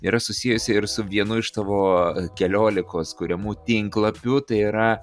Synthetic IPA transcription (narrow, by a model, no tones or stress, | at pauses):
iɾɐsʊsʲiːjʊsʲɪɪɾsʊʋʲiɛnʊɪʃt̪ɐːʋoːkʲɛlʲoːlʲɪkoːskʊɾʲɛmuːt̪ʲɪŋklˠɐpʲʊt̪ɐɪiɾɐ